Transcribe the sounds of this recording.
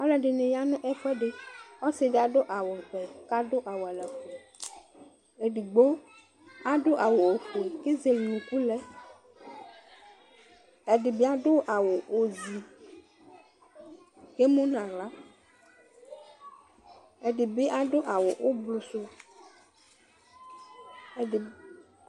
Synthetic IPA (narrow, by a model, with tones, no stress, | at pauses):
a˦lɛ˨ɖe˨nẽ˨ja˦nũ˦ʔɛ˦fɛ˦ɖe˦ɔ˦se˦ɖe˦a˨ɖo˦ʔa˨wo˨ɸɛ˨ka˦do˦ʔa˨wo˨a˨lɛ˨xe˨ | e˨ɖi˨ɡ͡bo˦ | a˦ɖo˦ʔa˨wo˨wo˨ɸe˨ke˦ze˨lnũ˨ku˦lɛ˦ | ɛ˨ɖi˨be˦a˨ɖo˦ʔa˨wo˨o˨zi˨ | ke˦mõ˦nã˨la˦ | e˨ɖi˨be˦ʔa˦ɖo˦ʔa˨wo˨ʔo˦blo˨so˦˨